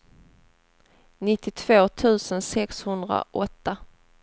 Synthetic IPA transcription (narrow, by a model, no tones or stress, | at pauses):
nɪt̪ːɪt̪ʰv̥oːt̪ʰʉ̟ːsənsɛkshɵnd̪ɾa̰ʔɔt̪ːa